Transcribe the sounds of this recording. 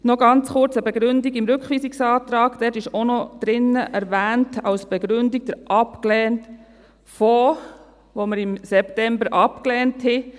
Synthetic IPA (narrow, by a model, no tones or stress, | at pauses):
nɔɡɑnt͡sχʊɾt͡səbɛɡɾʏndiɡɪmɾʏkχʋiːsiksɑːt̪ɾɑːɡ̥d̥ɛtɪʃonɔd̥ɾɪnəʔæɾvæːntʰɑwsb̥ɛɡ̥ɾʏndiɡ̚d̥əɾʔɑpklɛːnt | fɔː | ʋoməɾɪmsɛptɛmbəɾʔɑpklɛːnthɛ